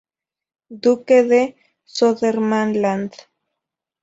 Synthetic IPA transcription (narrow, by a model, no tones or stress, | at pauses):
d̪ukeðe | soðeɾmanland̪